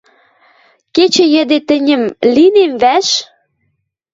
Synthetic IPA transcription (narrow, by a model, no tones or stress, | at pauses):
ket͡ɕĕjə̆d̪et̪ə̆nʲə̆mlinemβæʃ